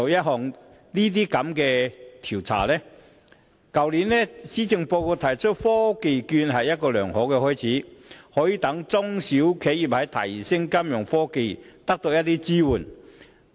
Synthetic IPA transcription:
o˨jɐ˥t̚ɦɔː˨˩ŋ | liː˥t̪̬iː˥kɐ˨˥mkɛː˧t̪ʰi˨˩wt͡sʰa̰ː˨˩lɛ˥ | kɐ˨wliː˨˥nlɛ˥siː˥t͡sɪ˧ŋpo˧wko˧t̪ʰɐ˨˩jt͡ʃʰɵ˥t̚fɔː˥ke˨˧jkyː˧nɦɐ˨jːɐ˥t̚kɔː˧lœː˨˩ŋhɔː˨˥kɛː˧hɔː˥jt͡sʰiː˨˥hɔː˨˥jiː˨˧t̪ɐ˨˥ŋt͡sʊ˥ŋsi˨˥wkʰe˨˥ji˨˩p̚hɐ˨˥jt̪ʰɐ̰˨˩jsɪ˥ŋkɐ˥mjʊ˨˩ŋfɔː˥ke˨˧jt̪ɐ˥k̚t̪o˧wjɐ˥t̪̚iː˦˥t͡siː˥wuː˨˩n

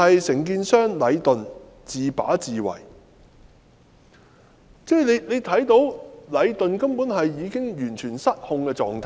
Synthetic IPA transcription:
ɐ˨jsɪ˨˩ŋk̬iː˧nsœː˥ŋlɐ˨˧jt̪ɵ˨n | t͡siː˨pa̰ː˨˥t͡siː˨wɐ̰˨˩j | t͡sɛː˥le˨˧jle˨˧jt̪ʰɐ˨˥jt̪o˨˧wlɐ˨˧jt̪ɵ˨nkɐ˥mpuː˨˥nhɐ˨jːiː˨˧kɪ˥ŋjyː˨˩nt͡ʃʰyː˨˩nsɐ˥t̚hʊ˧ŋkɛː˧t͡sɔ̰ː˨ŋt̪ʰː

